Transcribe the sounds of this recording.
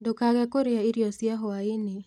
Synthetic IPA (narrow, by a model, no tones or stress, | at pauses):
dokaɣɛkoɾeaiɾjɔsjaɦoaene